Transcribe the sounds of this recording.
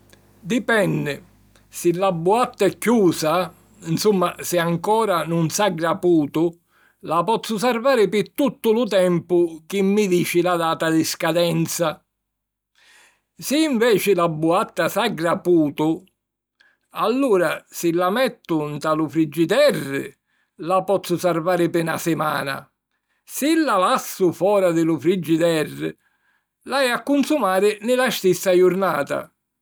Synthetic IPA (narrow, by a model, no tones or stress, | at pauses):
d̪ipɛnːɪ | sɪlːabːuat̪ːaɛkːuːsa | nsumːasɪaŋkɔːɾanunsaɡɾapuːt̪ʊ | lapɔt̪sːʊs̬arvaːɾɪpɪt̪ːut̪ːʊlʊt̪ɛmpʊk̟ɪmːid̪iːt͡ʃɪlad̪aːt̪ad̪iskad̪ɛnt̪sa | sɪːɱvɛːt͡ʃɪlabːuat̪ːasaɡɾapuːt̪ʊ | alːuːɾasɪlːamɛt̪ːʊnt̪alʊfɾid͡ʒːit̪ɛrːɪ̰ | lapɔt̪sːʊsaɾvaːɾɪpɪna̰sɪma̰ːna̰ | sɪlːalasːʊfɔːɾad̪ɪlʊfɾid͡ʒːid̪ɛrːɪ̰ | laɛakːunsumaːɾɪnɪlast̪isːajʊɾnaːt̪a̰